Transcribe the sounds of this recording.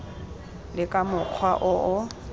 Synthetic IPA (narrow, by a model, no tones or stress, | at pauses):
lɪkʼamʊq͡χʰwaʔʊʔʊ